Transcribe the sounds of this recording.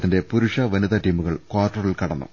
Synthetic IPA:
t̪ːinde̞puɾuʂɐʋɐniðɐʈiːmuɣɐɭkwaːrʈːɐrilkɐɽɐnːṵ

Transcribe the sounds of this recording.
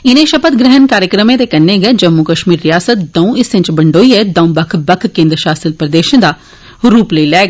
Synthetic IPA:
ɪnẽːʃəpət̪ɡɾɪɦənkaːɾjəkɾəmẽːt̪eːkənːeːɡɛːd͡ʒəmːukəʃmiːɾːɪjaːsət̪d̪ə̃ũːɪsʋɪ̃ɲt͡ʃbəɳɖoːiːɛːd̪ə̃ũːbəkʰbəkʰkẽːnd̪ɾəʃaːsəlpɾəd̪eːʃə̃nd̪aː | ɾuːpləiːlɛːɡa

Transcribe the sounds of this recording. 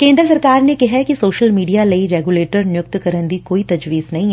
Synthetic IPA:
kẽːnd̪ɾəs̬ɐɾkaːɾnekɐɦɛkisoːʃəlmiːɖijalɐiɾɛːɡuːleːʈəɾnjʊk̚t̪kɐɾə̃nd̪ikoːit̪ɐd͡ʒʋiːznɐɦĩɦɛ

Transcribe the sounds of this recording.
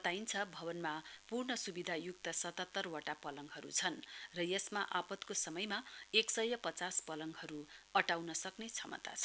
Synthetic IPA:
t̪aint͡sʰʌbʱʌbʌnmapurɳʌsubid̪ʱajuk̚t̪ʌsʌt̪at̪ːʌrwaʈapʌlʌŋɡɦʌɾṵt͡sʰʌnrʌjʌsmaʔapʌt̪kosʌmʌjmaeksʌjʌpʌt͡saspʌlʌŋɡɦʌɾuʌʈawnʌsʌknet͡sʰʌmʌ̰t̪a̰t͡sʰʌ

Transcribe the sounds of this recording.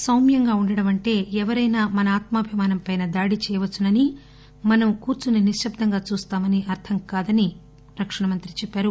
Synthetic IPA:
sɐwmjɐŋɡaːuɳɖɐɽɐmɐɳʈe̞ːɛʋɐɾɐjnaːmɐnɐaːt̪mɐːbʱimaːnɐmpɐjnɐd̪aːɽit͡ʃɛːjɐʋɐt͡ʃːunɐni | mɐnɐmkuːɾt͡ʃuniniʂjɐb̚d̪ʱɐŋɡaːt͡ʃuːst̪aːmɐniʔɐɾt̪ʰɐmkaːd̪ɐni | ɾɐkʂɐɳɐmɐnt̪ɾit͡ʃɛpːaːɾu

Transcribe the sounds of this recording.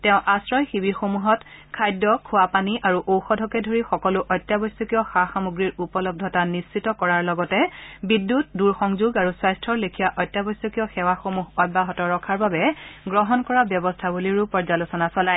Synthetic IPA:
tɛʊ̃ʔasɹɔjxibixomuɦɔt | kʰajdːɔkʰʊapaniʔaɹuʔowxɔdʱɔkɛdʱoɹixɔkɔlʊʔɔjtjabɔjsɔkijɔxaxamuɡɹiɹupɔlɔb̚dʱɔtanist͡ʃitɔkɔɹaɹlɔɡɔtɛbidːut̚duɹxɔŋzuɡaɹuswajstʰɔɹlekʰijaʔɔjtːjabɔsɔkijɔxɛwaxomuɦɔjbaɦɔtɔɹɔkʰaɹbabɛɡɹɔɦɔnkɔɹabjɔbɔstʰabuliɹupɔɹzalusɔnasɔlaj

